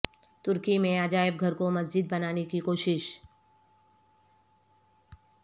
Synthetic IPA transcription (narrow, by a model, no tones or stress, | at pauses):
t̪ʊɾkimẽaːd͡ʒaːɪb̚ɡʱɐɾkomɐsd͡ʒɪd̪̚bɐnaːnekikoːʃɪʃ